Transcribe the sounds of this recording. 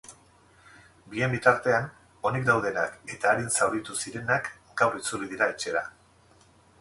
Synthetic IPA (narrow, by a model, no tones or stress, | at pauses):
bie̞mbit̪aɾt̪e̞an | o̞nikd̪awð̞e̞na̰ke̞t̪aːɾinsawɾit̪usiɾe̞nak | ɡawrit͡suliðiɾaet͡ʃe̞ɾa